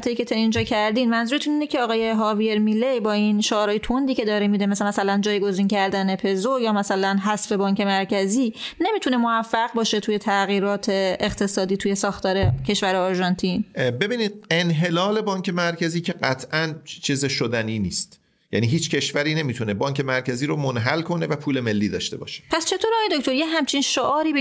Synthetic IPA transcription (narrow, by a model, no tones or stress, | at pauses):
t̪ʰejicʰet̪ʰeind͡ʒɒːcʰæɾd̪iːnmænzuːɾet̪ʰuniːnecʰeɒːɣɒːje̞ɦɒːvieɾmilejbɒːinʃoɒːɾɒːjet̪ʰond̪iːcʰe̞d̪ɒːɾemid̪emæsemæsælænd͡ʒɒːjɡo̞zincʰæɾd̪æne̞pʰe̞zojɒːmæsælænɦæsfe̞bɒːŋce̞mæɾcʰæziːne̞miːt̪ʰune̞moæfːæɣbɒːʃe̞t̪ʰuːje̞t̪ʰæɣiːɾɒːt̪ʰe̞ːχt̪ʰe̞sɒːd̪iːt̪ʰuːje̞sɒːxt̪ʰɒːɾe̞cʲʰe̞ʃvæɾeːɾʒɒnt̪ʰinbe̞biːniːd̪̚e̞nɦe̞lɒːle̞bɒːncʰe̞mæɾcʰæziːcʰe̞ɢæt̪ʰʔænt͡ʃʰiːzeʃod̪æniːniːst̪ | jæ̰niːɦiːt͡ʃcʰe̞ʃvæɾiːne̞miːt̪ʰunebɒːŋkʰe̞mæɾcʰæziːɾomonɦælkʰo̞ne̞væpʰuːle̞me̞lːiːd̪ɒ̰ːʃt̪e̞̰bɒ̰ːʃe̥pʰæst͡ʃʰe̞t̪ʰoɾɒːjed̪okcʰʲt̪o̞ɾjeɦæmt͡ʃʰinʃoʔɒːɾiːbe